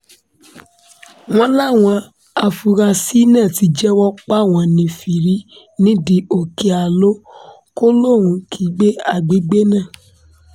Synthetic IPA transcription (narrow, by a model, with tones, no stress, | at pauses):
w̃ɔ̃˦la˦˨w̃ɔ̃˧ | a˧fu˧ɾa˧si˦nɛ̃˦˨ti˨˧˦d͡ʒɛ˦wɔ˦k͡pa˦˨w̃ɔ̃˧nĩ˧fi˨ɾi˦ | nĩ˦di˧˦o˨ke˧a˨lo˦ | ko˦lo˦˨ɾ̃ũ˨˧kʰi˨˦ɡ͡be˦a˦˨ɡ͡be˨˦ɡ͡be˦nãː˦˨